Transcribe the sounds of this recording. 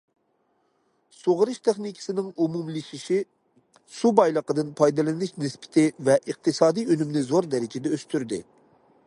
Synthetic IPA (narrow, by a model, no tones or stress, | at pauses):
soʁɾɨʃt̪ʰɪχnikʲʰi̥sɪnɪŋumumliʃiʃi | subɑjlˠəqəd̪ɨnpʰɑjd̪ɨlˠɪnɪʃnɪspʰɪ̥t̪ʰɪvɛʔəq̚t̪ʰɨsɑːd̪ijønymnɪzoɾd̪ɛɾɪd͡ʒɪd̪ɛøst̪ʰyɾd̪ɪ̰